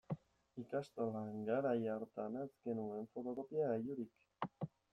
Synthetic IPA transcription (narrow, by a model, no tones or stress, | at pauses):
ikast̪olaŋɡaɾajaɾt̪anazɡe̞nue̞ɱfo̞t̪o̞ko̞piaːjuɾik